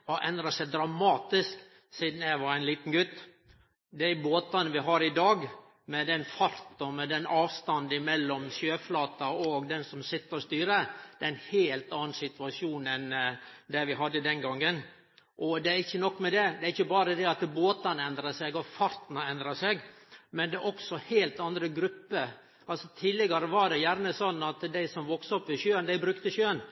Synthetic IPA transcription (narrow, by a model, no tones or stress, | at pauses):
ɔʔɛnd̪ɾɑsɛd̪ɾɑmɑːt̪ɪsk | siːd̪n̩æʋɑɾæɪnliːt̪n̩ɡʉt̪ː | d̪æɪboːt̪ɑnʋɪɦɑɾɪd̪ɑːɡ | mɛd̪ɛnfɑɾt̪ɔmɛd̪ɛnɑːʋst̪ɑnd̪ɪmɛlːɔmsjøːflɑːt̪ɑɔɡd̪ɛnsɔmsɪt̪ːəɾɔst̪yːɾəd̪ɛnheːlt̪ɑːn̩sɪt̪ʉɑʂjuːnɛnd̪ɛʋɪɦɑd̪ːəd̪ɛnɡɑŋːən | ʔɔd̪ɛæɾɪçːənɔkːmɛd̪ɛd̪ɛæɾɪçːəbɑːɾəd̪ɛɑt̪boːt̪ɑnɛnd̪ɾɑsɛɡɔfɑɾt̪nəɛnd̪ɾɑsɛɡmɛnd̪ɛʔɔksɔheːlt̪ɑnd̪ɾəɡɾʉpːə | ɑlsɔt̪ʰiːlɛɡɑɾəʋɑɖɛjæɾnəsɔnːɑt̪d̪æɪsɔmʋɔksɔpːʋɪʃjøːənd̪æɪbɾʉkt̪əɕjøːən